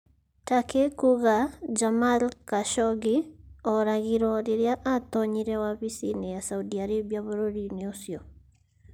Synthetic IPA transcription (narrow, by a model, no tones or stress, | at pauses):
takekuɣad͡ʒamalkaʃɔɡiɔɾaɣiɾɔɾeɾjaʔatɔɲiɾɛwaβisinejasaudiaɾeβiaβoɾoɾineosiɔ